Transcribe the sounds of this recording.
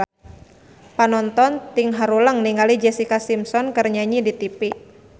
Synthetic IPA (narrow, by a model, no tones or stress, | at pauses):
panɔnt̪ɔnt̪iŋɦaɾuləŋniŋalid͡ʒɛsikasimsɔnkərɲaɲidit̪ipi